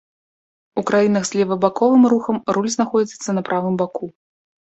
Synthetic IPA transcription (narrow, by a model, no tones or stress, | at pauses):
ukɾajinɐɣzʲlʲɛvɐbakɔvɨmruxɐmrulʲznaxɔd͡zʲit̪sːɐnɐpɾʔavɨmbaku